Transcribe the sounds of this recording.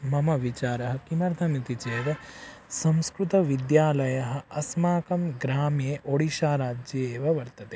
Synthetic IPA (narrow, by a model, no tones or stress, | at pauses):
mɐmɐʋit͡ʃaːɾɐɦɐ̆kimɐɾd̪ʱɐmit̪it͡ʃeːʋɐ | sɐ̃mskɾut̪ɐʋid̪jaːlɐjɐɦɐ̆ɐsmaːkɐmɡɾaːmjeːʔoɽiʃaːɾaːd͡ʒjɐeːʋɐʋɐɾt̪ɐt̪eː